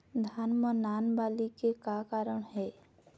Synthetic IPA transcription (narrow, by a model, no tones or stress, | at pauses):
d̪ʱanmənaːnbaːlikekakaɾəɽ̃ɦɛː